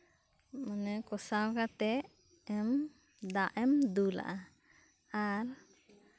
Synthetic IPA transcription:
mənɛkɔsawkat̪ɛʔ | ɛm | d̪aʔɛmd̪ula̰ʔa | aɾ

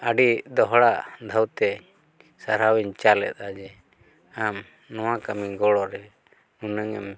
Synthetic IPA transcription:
əɖid̪ɔɦɽaʔd̪ʱawt̪ɛ | saɾawiɲt͡ʃalɛ̰t̪̚ad͡ʒɛ | am | nɔwakamiɡɔɽɔɾɛ | unəŋɛm

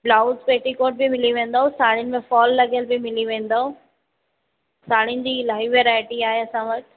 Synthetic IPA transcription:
blaːʊzpeːʈikoːʈ̚bɪmɪliʋẽːn̆d̪aːɦõsaːɽ̤inɪ̆mẽfɔːlːɐɠjəlbɪmɪliʋẽːn̆d̪aːõ | saːɽ̤inɪ̆d͡ʑiːlaːɦiʋeɾaːɪʈiaːɦeɐsãʋɐʈʰ

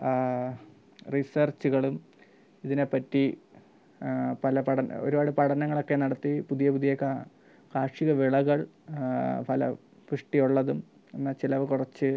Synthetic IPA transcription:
risɐrt͡ɕuɣɐɭum | iðinepɐtːi | pɐlɐpɐʈɐn̰o̞̰ɾubaːɽɨpɐʈʰɐnɐŋːɐɭo̞kːe̞nɐɽɐt̪ːipuðijɐpuðijɐkːa | kaːʂiɣɐʋiɭɐɣɐɭ | pɐlɐ̰ | puʂʈijuɭːɐðum | enːɐt͡ɕilɐʋɨkurɐt͡ɕːɨ

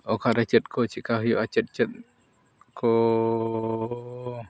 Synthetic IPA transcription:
okaʔɾat͡ʃət̪̚kʰot͡ʃiʔkaɦjoʔat͡ʃət̪̚t͡ʃət̪̚ | kʰo

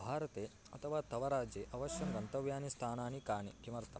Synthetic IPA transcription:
bʱaːɾɐt̪eː | ɐt̪ʰɐʋaːt̪ɐʋɐɾaːd͡ʒeːʔɐʋɐʃjɐmɡɐnt̪ɐʋjaːnist̪ʰaːnaːnikaːɳekimɐɾt̪ʰɐ

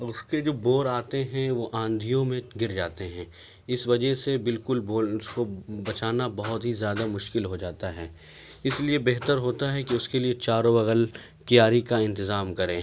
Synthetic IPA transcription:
ʊsked͡ʒoːboːɾaːt̪eɦɛ̃ʋoʔãːnd̪ʱijõmẽɡɪɾd͡ʒaːt̪eɦɛ̃ː | ɪsʋɐd͡ʒəɦsebɪlkʊlboːlskobɐt͡ʃaːnabɐɦʊt̪ɦizjaːd̪amʊʃkɪlɦod͡ʒaːt̪aɦɛː | ɪsliebɛɦt̪əɾɦoːt̪aɦɛkiʊskeliet͡ʃaːɾobɐɣəl | kijaːɾikaɪ̃nt̪ɪzaːmkɐɾẽː

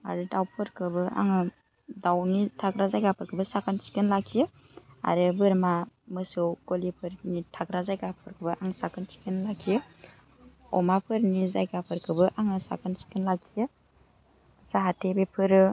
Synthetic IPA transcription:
a̰ɾɯdawpʰɯɾkʰɯbɯʔa̰ŋɯ | dawnitʰakɾazajɡapʰɯɾkʰɯbɯsakʰansi̥kɯnlakʰijɯ | a̰ɾɯbɯɾmamɯsɯwɡolipʰɯɾnitʰakɾazajɡapʰɯɾkʰɯbɯʔaŋsakʰɯnsi̥kənlakʰijɯ | ɔ̰mapʰɯɾnizajɡapʰɯɾkʰɯbɯʔaŋɯsa̰kʰansi̥kɯnlakʰijɯ | saɦatʰebepʰɯɾɯ

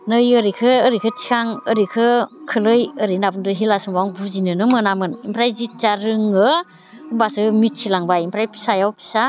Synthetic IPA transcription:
nɯjɯɾikʰɯːɾikʰɯtʰi̥kʰaŋɯɾikʰɯkʰɯlɯjɯɾinabɯndɯɦilasumbaŋbuzinɯnɯmɯnamɯnimpʰɾajzit̚t͡ʃaɾɯŋɯ | ɯmbasɯmit̚sʰilaŋbaimpʰɾajpʰi̥sajawpʰi̥sa

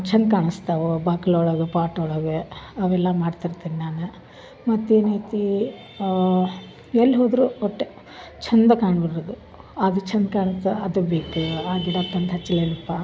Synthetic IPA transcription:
t͡ʃʰɐnd̪kaːɳɨst̪ɐʋobaːkɐloːɽoɡepaːʈoːɽoɡeɐʋɛlːɐmaːɖt̪iɾt̪iːninaːne | mɐt̪ːeːnit̪i | elːɦoːd̪ɾuɔʈːe | t͡ʃʰɐnd̪ɐkaːɳbɐɽɾod̪u | ɐd̪ut͡ʃʰɐnd̪kaːɳɐst̪ɐɐd̪ubeːkuaːɡ̪iɽɐpt̪ɐnd̪ɦɐt͡ʃːɐleːnɐpːa

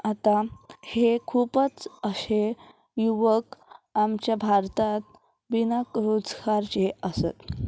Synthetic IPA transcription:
at̪ahekʰupət͡səɕe | juʋəkamt͡ɕjabʱaɾt̪at̪ | binakɾud͡zɡaɾt͡ɕeəsə̰t̪

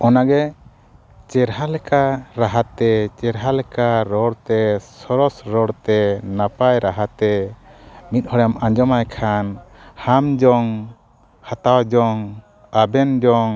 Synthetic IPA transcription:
ɔnaɡɛ | t͡ʃɛɾɦalɛkaɾaɦat̪ɛt͡ʃɛɾɦalɛkaɾɔɽt̪ɛsɔɾɔsɾɔɽt̪ɛnapajɾaɦat̪ɛ | mit̪̚ˀhɔɽamãɲd͡ʒɔmajkʰanhamd͡ʒɔŋ | hat̪awad͡ʒɔŋ | abɛnd͡ʒɔŋ

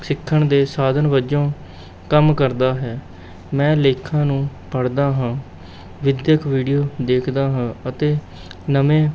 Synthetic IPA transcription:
sɪkʰːəɳd̪eːsaːd̪ʱənʋəd͡ʒõː | kəmkəɾd̪aːɦɛː | mɛ̃ːleːkʰãːnũːpəɽd̪aːɦãː | ʋɪd̪jəkʰʋiːɖijoːd̪eːkʰd̪aːɦãːət̪eː | nəʋẽː

